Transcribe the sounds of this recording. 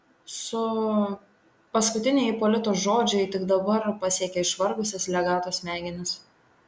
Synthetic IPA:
sʊ | pɐskʊt̪ʲɪnʲɛjpolʲɪt̪oːsʒoːd͡ʒʲɛɪt̪ʲɪɡd̪ɐbɐɾpɐsʲiːkʲɛɪʃʋɐɾɡʊsʲɪslʲɛɡɑːt̪oːsmʲæːɡʲɪnʲɪs

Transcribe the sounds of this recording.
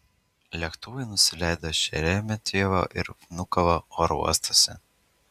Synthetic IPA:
lʲɛkt̪uʋɐɪnʊsʲɪlʲæˑɪd̪oːʃʲɛɾʲɛmʲɛt̪ʲiɛʋo̰ʔɪ̰ɾfnʊkɐʋooɾṵɔst̪osʲɛ

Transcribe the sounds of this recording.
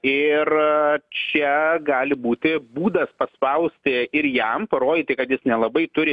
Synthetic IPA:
ɪrt͡ʃʲɛɡɑːlʲɪbuːt̪ʲɪbuːd̪ɐspɐspɐʊsʲt̪ʲɪɪɾjɛmpɐɾoːd̪ʲɪt̪ɐɪkɐt̪jɪsnʲɛlˠɐbɐɪt̪ʊɾʲɪ

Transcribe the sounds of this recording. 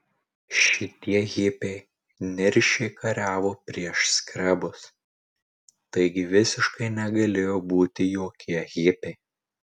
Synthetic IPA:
ʃʲɪt̪ʲiɛɣʲɪpʲɛɪ | nʲɪɾʲʃʲɛɪkʰɐɾʲæːʋoːpʲɾʲiɛʃsʲkɾʲɛbʊs | t̪ɐɪɡʲɪʋʲɪsʲɪʃkɐɪnʲɛɡɐlʲeːjoːbuːt̪ʲɪjoːkʲʰiɛɣʲɪpʲɛɪ

